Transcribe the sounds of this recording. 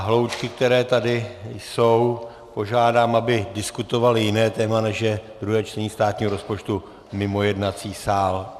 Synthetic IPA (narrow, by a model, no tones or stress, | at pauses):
ɦlo̞wt͡ʃkɪk̚t̪ɛɾɛːt̪adɪjso̞w | po̞ʒaːdaːmabɪdɪskut̪o̞valɪjɪnɛːt̪ɛːmanɛʃjɛd̪ɾuɦɛːt͡ʃt̪ɛɲiːst̪aːt̪ɲiːɦoɾospo̞t͡ʃt̪u | mɪmo̞jɛdnat͡siːsaːl